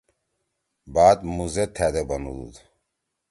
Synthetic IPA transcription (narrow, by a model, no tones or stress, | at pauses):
baːd̪muzet̪ʰæd̪ebɐnud̪ṵd̪